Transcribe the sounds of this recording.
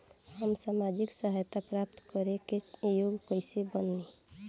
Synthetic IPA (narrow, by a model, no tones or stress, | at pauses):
həmsamad͡ʒiksəɦajt̪apɾap̚t̪kəɾekejoɡkəɪsebənːi